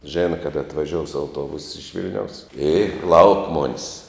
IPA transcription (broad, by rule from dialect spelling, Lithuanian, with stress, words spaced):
ˈʒʲeːnɐ ˈkɑːdɐ ɐtʋɐˈʒʲoːʊs ɐʊˈtuɔbʊs ɪʃ ˈʋʲɪlʲnʲɛʊs ɪ lˠɐʊk ˈmoːnʲɪs